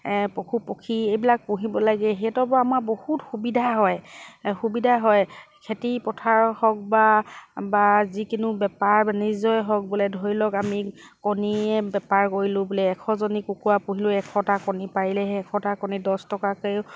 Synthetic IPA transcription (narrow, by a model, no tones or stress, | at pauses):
pokʰupokʰiejbilak̚puɦibɔlaɡɛɦetɔbɔamabohutxubidʱaɦɔjxubidʱaɦɔjkʰetipɔtʰaɹhɔk̚babazikinʊbɛpaɹanizɔjɦɔk̚bulɛdʱɔɹilɔkami | kɔniɛbɛpaɹkoɹilʊ̃bulɛːkʰɔzɔnikukuwapũɦilʊ̃ɛkʰɔtakɔnipaɹilɛɦɛkʰɔ̃takɔnidɔstɔkakejʊ